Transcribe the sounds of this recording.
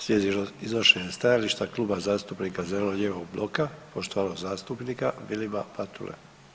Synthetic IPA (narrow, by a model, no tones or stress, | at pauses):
sjeːd̪iizoʃeɲest̪ajaliʃt̪akluːbazaːst̪upnikazeleloɲeʋoɡblo̞kapo̞ʃt̪oʋaːlozaːst̪upnikaʋilima̰pat̪ṵlʔḛ